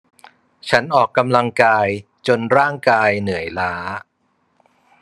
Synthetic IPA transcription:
t͡ɕʰa˦˥nʔɔː˨˩kːa˧mla˧ŋkaː˧j | t͡ɕo˧nɾaː˥˩ŋkaː˧jnɯ˩˦əjlaː˦˥

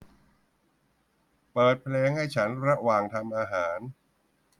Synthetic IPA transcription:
pɤː˨˩t̪̚pʰleː˧ŋha˥˩jt͡ɕʰa˦˥nɾa˦˥waː˨˩ŋt̪ʰa˧mʔaː˧ɦaː˩˦n

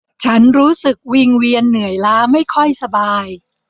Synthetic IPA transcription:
t͡ɕʰa˦˥nɾuː˦˥sɯ˨˩k̚wi˧ŋwi˧ənːɯ˨˩˦əjlaː˦˥ma˥˩jkʰɔ˥˩jsa˧baː˧j

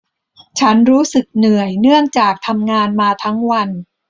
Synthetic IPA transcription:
t͡ɕʰa˦˥nɾuː˦˥sɯ˨˩k̚nɯ˨˩əjnɯ˥˩əŋt͡ɕaː˨˩k̚t̪ʰa˧mŋaː˧nmaː˧t̪ʰa˦˥ŋwa˧n

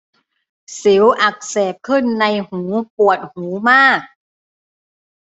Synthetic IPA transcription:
si˩˦wʔa˨˩k̚seː˨˩p̚kʰɯ˥˩nːa˧jhuː˩˦pu˨˩ət̪̚huː˩˦maː˥˩k̚

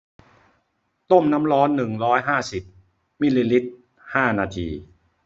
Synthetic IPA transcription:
t̪o˥˩mna˦˥mɾɔː˦˥nːɯ˨˩ŋɾɔː˦˥jɦaː˥˩si˨˩p̚ | mi˧liː˧li˦˥t̪̚ | haː˥˩naː˧t̪ʰḭː˧

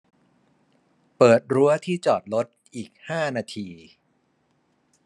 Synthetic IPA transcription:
pɤː˨˩t̪̚ɾu˦˥ɐt̪ʰiː˥˩t͡ɕɔː˨˩t̪̚lo˦˥t̪̚ʔiː˨˩k̚haː˥˩naː˧t̪ʰiː˧

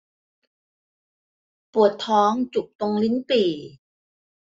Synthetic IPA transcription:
pu˨˩ət̪ʰːɔː˦˥ŋt͡ɕu˨˩k̚t̪o˧ŋli˦˥npiː˨˩

